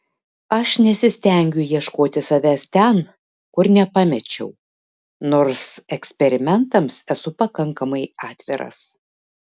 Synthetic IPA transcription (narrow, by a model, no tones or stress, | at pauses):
ɐʃnʲɛsʲɪsʲt̪ʲɛˑŋʲɡʲʊjiɛʃkoːt̪ʲɪsɐʋʲæst̪ʲɛn | kʊɾnʲɛpɑmʲɛt͡ʃʲɛ̰ʊ | noːɾsɛksʲpʲɛɾʲɪmʲɛnt̪ɐmsɛsʊpɐkɐŋkɐmɐɪɑːt̪ʲʋʲɪɾɐ̰s